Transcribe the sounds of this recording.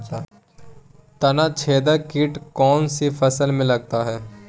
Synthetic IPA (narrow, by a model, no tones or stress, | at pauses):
t̪ɐnat͡ʃʰeːd̪əkiːʈkɔːnsifɐsəlmẽlɐɡ̚t̪aɦɛː